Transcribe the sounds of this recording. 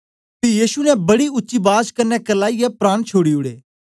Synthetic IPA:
pijiːʃunɛ̃bɐɽiʊtːʃibaːd͡ʒkɐɾnɛkɐlaːiɛpɾaːɳt͡ʃʰoːɽiʊɽḛː

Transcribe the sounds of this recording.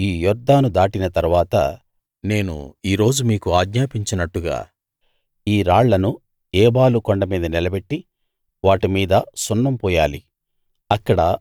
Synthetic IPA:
iːjɔɾd̪ʱːaːnud̪aːʈinɐt̪ɐɾuʋaːt̪ɐ̰ | ne̞ːnṵiːɾo̞ːd͡ʒumiːkuaːɡɲaːpiɲt͡ʃinɐʈːuɡa̰ː | iːɾaːɭːɐnu | ɛːbaːlukɔɳɖɐmiːd̪ɐnilɐbe̞ʈːi | ʋaːʈimiːd̪ɐsunːɐmpɔːjaːli | ɐkːɐɽɐ

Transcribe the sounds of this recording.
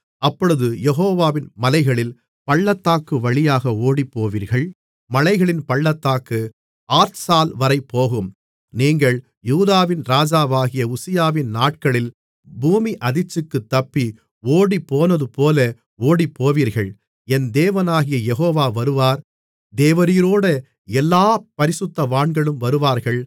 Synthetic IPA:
ɐpːɔɻɯðɯjɛɣoːʋaːʋɪnmɐlɐɪɣɐɭɪl | pɐɭːɐt̪ːaːkːɯʋɐɭɪjaːɣɐoːɽipːoːʋiːɾɣɐɭ | mɐlɐɪɣɐɭɪnpɐɭːɐt̪ːaːkːɯ | aːɾsaːlʋɐɾɐɪpːoːɣɯm | niːŋɡɐɭ | juːðaːʋɪnɾaːd͡ʒaːʋaːɣɪjɐʊsɪjaːʋɪnnaːʈ̚kɐɭɪl | buːmiʔɐðɪt͡ʃːɯkːɯt̪ːɐpːi | oːɽipːoːnɐðɯpoːlɐ | oːɽipːoːʋiːɾɣɐɭ | ɛnd̪eːʋɐnaːɣɪjɐjɛɣoːʋaːʋɐɾɯʋaːɾ | d̪eːʋɐɾiːɾoːɽɐ | ɛlːaːpɐɾɪsɯt̪ːɐʋaːɳɡɐɭɯmʋɐɾɯʋaːɾɣɐɭ

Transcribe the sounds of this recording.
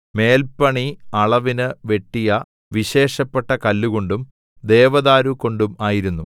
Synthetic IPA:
me̞ːlpɐɳiɐɭɐʋinɨʋe̞ʈːijɐ | ʋiɕe̞ːʂɐpːeʈːɐkɐlːuɣo̞ɳɖum | d̪e̞ːʋɐðaːɾuko̞ɳɖumaːjiɾunːu

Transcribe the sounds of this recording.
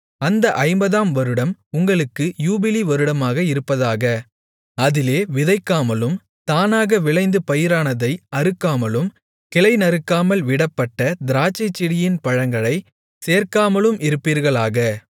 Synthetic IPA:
ɐnd̪ɐʔɐɪmbɐðaːmʋɐɾɯɽɐmʊŋɡɐɭɯkːɯjuːbɪliʋɐɾɯɽɐmaːɣɐɪɾɯpːɐðaːɣɐ | ɐðɪleːʋɪðɐɪkːaːmɐlɯm | t̪aːnaːɣɐʋɪɭɐɪnd̪ɯpɐjɪɾaːnɐðɐɪɐɾɯkːaːmɐlɯm | kɪlɐɪnɐɾɯkːaːmɐlʋɪɽɐpːɐʈːɐd̪ɪɾaːt͡ʃːɐɪt͡ʃːɪɽɪjɪnpɐɻɐŋɡɐɭɐɪ | seːɾkaːmɐlɯmɪɾɯpːiːɾɣɐɭaːɣɐ

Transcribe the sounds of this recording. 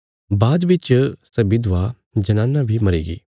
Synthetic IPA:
baːd̪bɪt͡ʃsɐbɪd̪ʋa | d͡ʒɐnãːnːabʱimɐɾḭːɡḭː

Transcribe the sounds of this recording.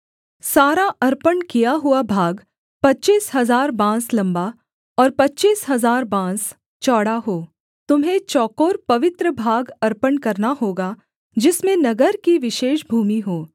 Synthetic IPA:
saːɾaʔɐɾpənkijaɦʊabʱaːɡ | pɐtːt͡ʃiːsɦɐzaːɾbãːslɐ̃mba | pɔːɾpɐtːt͡ʃiːsɦɐzaːɾbãːs | t͡ʃɔːɽaɦoː | t̪ʊmɦẽt͡ʃɔːkoːɾpɐʋɪt̪ɾəbʱaːɡɐɾpənkɐɾnaɦoːɡa | d͡ʒɪsmẽnɐɡəɾkiʋɪʃeːʃbʱuːmiɦoː

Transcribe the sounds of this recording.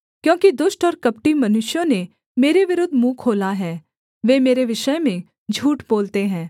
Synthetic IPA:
kjõːkid̪ʊʃʈɔːɾkɐpʈimɐnʊʃjõne | meːɾeʋɪɾʊd̪ʱmũkʰoːlaɦɛː | ʋeːmeːɾeʋɪʃəjmẽ | d͡ʒʱuːʈboːlt̪eɦɛ̃ː

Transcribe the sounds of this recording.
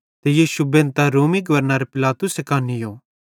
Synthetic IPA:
t̪ejiːʃubẽːnt̪aɾoːmiɡɐʋəɾnaɾepɪlaːt̪ʊsekaːnijoː

